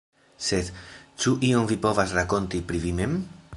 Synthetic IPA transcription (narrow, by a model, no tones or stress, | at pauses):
se̞d̪t͡ʃuʔio̞mvipo̞vasɾako̞ntipɾivime̞m